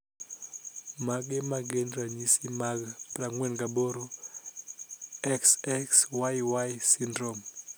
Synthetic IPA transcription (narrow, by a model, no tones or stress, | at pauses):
maɡemaɡendɾaɲisimaɡraŋwɛnɡaboɾo | ɛksɛkswajwajsindɾom